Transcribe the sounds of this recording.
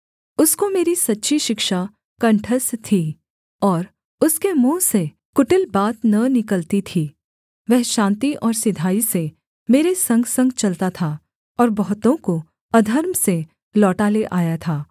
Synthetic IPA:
ʊskomeːɾisɐtːʃʰiʃɪkʃa | kɐ̃ɳʈʰəst̪ʰiː | ɔːɾ | ʊskemũːse | kʊʈɪlbaːt̪nɐnɪkəlt̪it̪ʰiː | ʋɛɦʃãːnt̪iʔɔːɾsɪd̪ʱaːise | meːɾesɐ̃ŋɡsɐ̃ŋɡt͡ʃɐlt̪at̪ʰa | ɔːɾbɐɦʊt̪õko | ɐd̪ʱəɾmse | lɔːʈaleʔaːjat̪ʰaː

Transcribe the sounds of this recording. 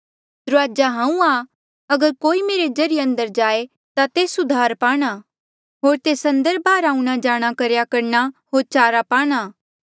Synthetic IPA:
d̪ɾʊaːd͡ʒaɦãːũa | ɐɡəɾkoːimeːɾed͡ʒɐɾɪjeɐ̃nd̪əɾd͡ʒaːe | t̪at̪eːsʊd̪ʱaːɾpaːɽ̃a | ɦoːɾt̪eːsɐ̃nd̪əɾbʱaːɾaːũɽ̃ad͡ʒaːɽ̃akɐɾjakɐɾnaɦoːɾt͡ʃaːɾapaːɽ̃aː

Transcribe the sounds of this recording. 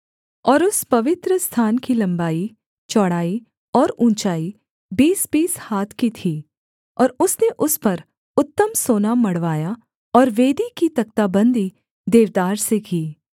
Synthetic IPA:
ɔːɾʊspɐʋɪt̪ɾəst̪ʰaːnkilɐ̃mbaːi | t͡ʃɔːɽaːi | ɔːɾũːnt͡ʃaːi | biːsbiːshaːt̪ʰkit̪ʰiː | ɔːɾʊsneʔʊspɐɾ | ʊt̪ːəmsoːnamɐɽʋaːja | ɔːɾʋeːd̪ikit̪ɐk̚t̪abə̃nd̪ʱi | d̪eːʋd̪aːɾsekiː

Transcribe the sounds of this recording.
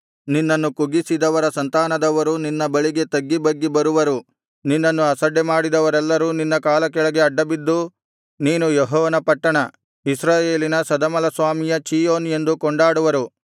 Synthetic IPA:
ninːɐnːukuɡisid̪ɐʋɐɾɐsɐnt̪aːnɐd̪ɐʋɐɾuninːɐbɐɭiɡe̞t̪ɐɡːibɐɡːibɐɾuʋɐɾu | ninːɐnːuɐsɐɖːemaːɽid̪ɐʋɐɾɛlːɐɾuːninːɐkaːlɐkɛɭɐɡe̞ɐɖːɐbid̪ːu | niːnujeɦɔːʋɐnɐpɐʈːɐɳɐ | isɾaːje̞ːlinɐsɐd̪ɐmɐlɐsʋaːmijɐt͡ʃiːjoːne̞nd̪ukɔɳɖaːɽuʋɐɾu

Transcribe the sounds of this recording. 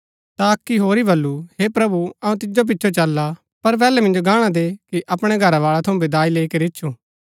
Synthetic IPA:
t̪aɐkːiɦoːɾibʱɐlːuɦepɾɐbuɐũt̪ɪd͡ʒop̬ɪtːʃʰot͡ʃɐlːa | pɐɾpɛːlɛmɪ̃nd͡ʒoɡãːɽ̃ad̪eːkiʔɐpɽ̃eɡʱɐɾaʋaːɭat̪ʰɐũbed̪aːileːkeɾɪːt͡ʃʰuː

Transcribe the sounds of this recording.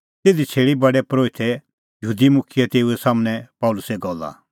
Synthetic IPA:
t̪eːd̪it͡ʃʰeːɽibɐɖɛpɾoːɪt̪ɛ | jəɦuːd̪imʊkʰijɛt̪eːuɛsaːmñɛ̃pɐʊlʊsɛɡɔlːa̰

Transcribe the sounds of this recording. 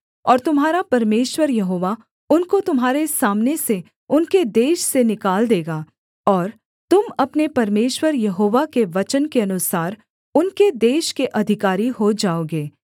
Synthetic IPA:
ɔːɾt̪ʊmɦaːɾapɐɾmeːʃwəɾjɐɦoːʋa | ʊnkot̪ʊmɦaːɾesaːmnese | ʊnked̪eːʃsenɪkaːld̪eːɡaː | ɔːɾ | t̪ʊmɐpnepɐɾmeːʃwəɾjɐɦoːʋakeʋɐt͡ʃənkeɐnʊsaːɾ | ʊnked̪eːʃkeʔɐd̪ʱɪkaːɾiɦod͡ʒaːoːɡeː

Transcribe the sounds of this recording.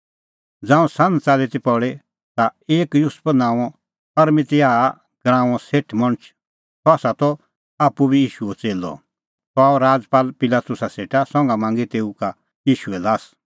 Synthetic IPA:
d͡zãːũsãnd͡zt͡saːlit̪ipɔɽe | t̪aeːkjʊspnãːɔ̃ | pɐɾmɪ̃t̪ɪaː | ɡ̥ɾãːɔ̃seʈʰmɔ̃ñt͡ʃʰ | t̪ʰɔasat̪ɔ | aːpːubijiːʃuɛt͡seːlɔ̰ | t̪ɔaːɔɾaːd͡zpaːlpɪlaːt̪ʊsaseːʈʰasɔ̃ŋɡamãːŋɡit̪eːuka | jiːʃuɛlaːs

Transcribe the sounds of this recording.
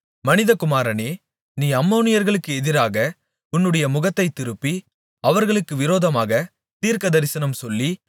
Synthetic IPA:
mɐnɪðɐkʊmaːɾɐneː | niːɐmːoːnɪjɐɾɣɐɭɯkːɯɛðɪɾaːɣɐ | ʊnːɯɽɐjɐmʊɣɐt̪ːɐɪt̪ːɪɾɯpːi | ɐʋɐɾɣɐɭɯkːɯʋɪɾoːðɐmaːɣɐ | t̪iːɾkɐðɐɾɪsɐnɐmsɔlːi

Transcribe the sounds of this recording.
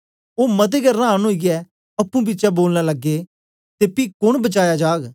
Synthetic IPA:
oːmɐt̪̬eɡɛnãːnɦoːiɡɛ | ɐpːũbiːt͡ʃaboːlnalɐɡːe | t̪epiːkʊɽ̃bɐt͡ʃaːjad͡ʒaːɡ

